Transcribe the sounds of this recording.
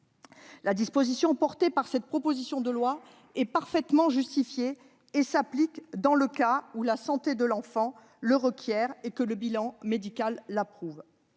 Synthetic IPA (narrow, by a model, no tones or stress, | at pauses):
lad̪ispozisjɔ̃pɔʁt̪epaʁsɛt̪̚pχɔpozisjɔ̃d̪əlwa | ɛpaʁfɛt̪mɑ̃ʒyst̪ifjeː | saplikd̪ɑ̃ləkaulasɑ̃t̪ed̪əlɑ̃fɑ̃ | ləʁəkʲjɛʁekələbilɑ̃med̪ikalːapχuv